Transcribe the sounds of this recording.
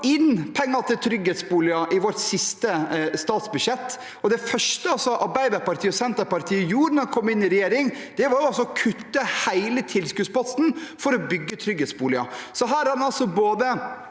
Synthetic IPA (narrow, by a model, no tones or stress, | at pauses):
ɪnpʰɛŋːɑt̪ʰɪlt̪ʰɾʏɡeːt̪sbuːlɪɑʔɪʋɔʈsɪst̪əst̪ɑːt̪sbʉʂjɛt̪ː | ɔd̪ɛfœʂʈəɑlsɔʔɑɾbæɪd̪ɑɾpɑɾt̪ʰiːɔsɛnt̪əɾpɑɾt̪ʰiːəjuːɾnɔɾɛnkʰɔmːɪnːɪɾɛjeːɾɪŋ | d̪̥ɛʋɑɾjʊɑlsɔɔkʰʉt̪ːəhæɪlət̪ʰɪlskʉːspɑsnfɔɾɔbʏɡːət̪ʰɾʏɡeːt̪sbuːlɪɑsɔɦæːɾæɾnɑlsɔboːd̪ə